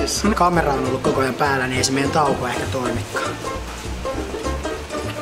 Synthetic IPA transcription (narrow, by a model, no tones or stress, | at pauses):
ssiːnkɑmerɑonolːukkokojɑpæːlːænieˑisemejent̪ɑˑukoehkæt̪oimikːɑ̥ːn